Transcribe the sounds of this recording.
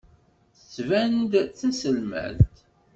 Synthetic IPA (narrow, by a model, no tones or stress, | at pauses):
θə̥t͡sːvænd̪t͡sːæsəlmæ̰lt̪